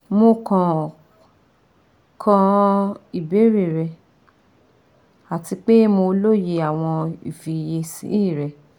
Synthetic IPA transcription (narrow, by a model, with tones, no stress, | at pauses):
mo˧kã˨ | kʰã˧i˨be˨˦ɾe˨ɾɛ˧ | a˨ti˧k͡pe˦mo˧lo˦je˧a˨w̃ɔ̃˧ḭ˨fi˨je˧sḭ̃˨˦i˦˨ɾɛ˧